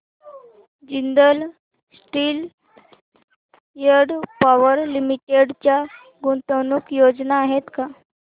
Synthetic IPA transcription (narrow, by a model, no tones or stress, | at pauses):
d͡ʑind̪əl | sʈiːl | jəɽpaʋəɾlimiʈeɽt͡ɕja | ɡunt̪ənuːkjod͡znaːɦet̪ka